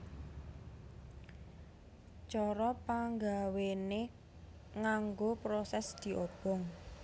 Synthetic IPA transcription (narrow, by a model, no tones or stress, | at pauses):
t͡ʃɔɾɔpaŋɡawene | ŋaŋɡopɾosɛsd̪̥i̤ʔob̥ɔ̤ŋ